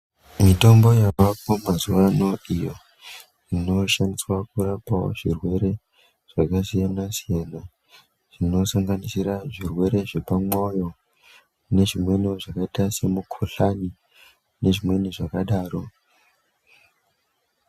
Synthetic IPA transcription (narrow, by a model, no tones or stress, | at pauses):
mito̞mbo̞jaʋapo̞mazuʋano̞ijo̞ | ino̞ʃandiswakuɾapawo̰ʐirwe̞ɾe̞ | ʐ̥akasijanasijena | ʐ̥ino̞saŋɡanisiɾaʐirwe̞ɾe̞ʐe̞pamo̞jo̞ | ne̞ʐimwe̞noʐakaitase̞mukʰoɬani | ne̞ʐimwe̞niʐakaɗaːro̞